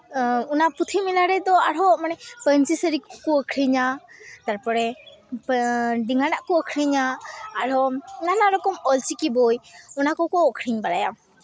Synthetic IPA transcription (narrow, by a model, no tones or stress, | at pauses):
unaput̪ʰimilaɾɛd̪ɔaɽɦɔmanɛpənt͡ʃisəɾikkɔəkʰɾiɲat̪aɾpɔɽɛ | ɖiŋanaʔkɔəkʰɾiɲaːɽɔnanaɾɔkɔmɔlt͡ʃikibɔjɔnakɔkɔɔkʰɾiɲbalajam